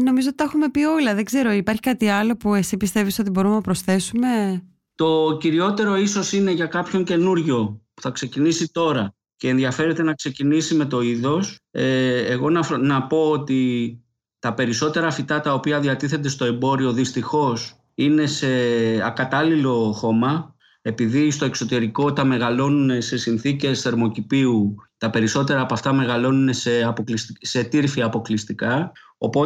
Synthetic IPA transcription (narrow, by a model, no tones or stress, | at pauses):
no̞mizot̪it̪ɐxume̞pio̞lɐðe̞ɡze̞ɾo̞ipɐɾçikɐt̪iɐlo̞pue̞sipist̪e̞viso̞t̪ibo̞ɾumenɐpɾo̞sθe̞sume̞ | t̪o̞ciɾio̞t̪e̞ɾo̞iso̞sine̞ʝɐkɐpço̞ɲce̞nuɾʝo̞pu̥θɐkse̞cinisit̪o̞ɾɐ | ce̞ːnðiɐfe̞ɾe̞t̪e̞nɐkse̞cinisime̞t̪o̞iðo̞seːɣo̞nɐnɐpo̞ot̪i | t̪ɐpe̞ɾiso̞t̪e̞ɾɐfit̪ɐt̪ɐo̞piɐðiɐt̪iθe̞d̪e̞st̪o̞e̞mbo̞ɾio̞ðist̪ixo̞s | ine̞se̞ɐ̰kɐt̪ɐlilo̞xo̞mɐ | e̞piðist̪o̞e̞kso̞t̪e̞ɾiko̞t̪ɐme̞ɣɐlo̞nune̞se̞sinθice̞sθe̞ɾmo̞cipiut̪ɐpe̞ɾiso̞t̪e̞ɾɐːpɐft̪ɐme̞ɣɐlo̞nune̞se̞ɐpoklist̪ise̞t̪iɾfiɐpo̞klist̪ikɐ | o̞po